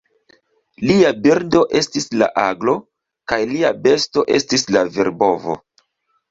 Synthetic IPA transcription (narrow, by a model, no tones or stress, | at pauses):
liabiɾdo̞ʔe̞stisla̰ʔaɡlo̞ | kajliabe̞sto̞ʔe̞stislaviɾbo̞vo̞̰